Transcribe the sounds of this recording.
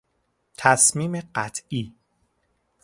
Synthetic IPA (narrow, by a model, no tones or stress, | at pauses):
t̪ʰæsmiːmeɢæt̪ʰiː